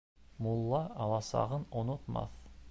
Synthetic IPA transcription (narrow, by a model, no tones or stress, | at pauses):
mulˠːɑɑlˠɑsɑ̰ʁənonot̪mɑ̰θ